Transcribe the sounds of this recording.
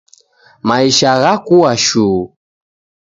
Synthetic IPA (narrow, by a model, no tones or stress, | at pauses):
maiʃaɣakuaʃu